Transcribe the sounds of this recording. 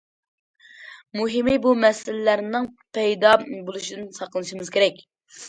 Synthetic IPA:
muɦɪmɪbumɛsɪlɪlæɾnɪŋ | pʰɛjd̪ɑbolˠuʃid̪ɨnsɑqlˠɨʃimɨz̥kʲʰeɾɛkʲ

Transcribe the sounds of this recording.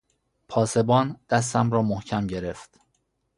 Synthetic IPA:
pʰɒːse̞bɒːnd̪̥æs̬t̪æmɾɒːmohcʰæmɟe̞ɾe̞ft̪

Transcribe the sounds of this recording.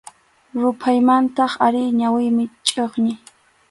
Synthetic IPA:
ɾʊpʰajmant̪ɑχaɾɪɲawɪjmɪt͡ʃʼoχɲɪ

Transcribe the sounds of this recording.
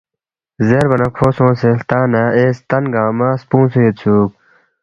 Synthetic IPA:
zeɾbɐnɐkʰoːsõːselt̪aːnaeːst̪ɐnɡãːmaːspũːnsuet̪t͡sʰuːk̚

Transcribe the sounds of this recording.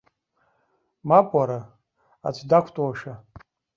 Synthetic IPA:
mapʼaɾa | a̰t͡sʷʰdakʷʰtʼwaʂa

